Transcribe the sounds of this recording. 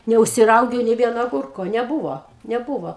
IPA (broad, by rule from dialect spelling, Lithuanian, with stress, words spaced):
nʲɛʊʃʲsʲɪˈrɐʊɡʲɛʊ nʲeː ˈʋʲiɛnoː ɐˈɡʊrkoː nʲɛˈbuːʋoː nʲɛˈbuːʋoː